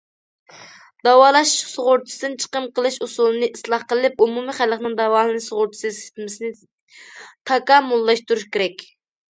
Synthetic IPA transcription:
d̪ɑwɑːlˠɑʃsoʁʊɾt͡ʃ̪ʰi̥sɨd̪ɨnt͡ʃʰə̥qəmqəlˠɨʃusulˠɨnɨʔislˠɑχqəlˠɨlɪpumumɨχælˠəqnɨŋd̪ɑwɑːlɨnɨsoʁʊɾt͡ʃ̪ʰi̥sɨse̥t̪ɪmɪsnɪ | t̪ʰɑkɑmːulˠːɑʃt̪uɾuʃkʲeɾɛkʲ

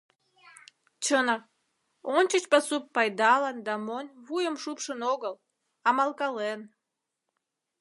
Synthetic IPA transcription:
t͡ɕənə | ont͡ɕət͡ɕpɑsupːɑjd̪ɑlənd̪ɑmonʲβujəmʃupʃənoɣəl | ɑmɑlkɑlen

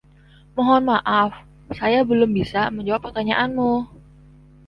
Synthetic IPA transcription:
mɔɦɔnmaʔaf | sajabəlʊmbisaməɲd͡ʒawapːərt̪aɲaʔanmʊ

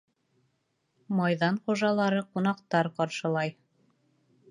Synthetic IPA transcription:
mɑjðɑnχuʒɑlˠɑɾɤqunɑqt̪ɑɾqɑɾʃɤ̆lˠɑj

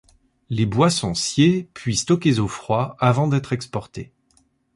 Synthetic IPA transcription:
lebwasɔ̃sjepɥist̪ɔkʲezofχwaavɑ̃d̪ɛt̪χɛkspɔʁt̪e

